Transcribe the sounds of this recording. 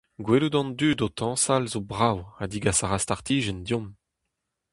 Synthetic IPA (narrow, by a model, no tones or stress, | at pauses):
ɡweludɑ̃nd̪yːdot̪ʰɑ̃ːsalzobʁawad̪iɡasaʁast̪aʁt̪ʰiːʒɛnd̪jɔ̃m